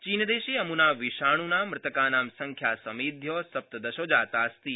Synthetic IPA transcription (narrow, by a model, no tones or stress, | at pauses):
t͡ʃiːnəd̪eʃeəmunaʋiʃaːɽ̃unamɾɪt̪əkaːnaːmsə̃ŋkʰjasəmid̪ʱjɔsɐp̚t̪əd̪ɐʃoːd͡ʒaːt̪ast̪i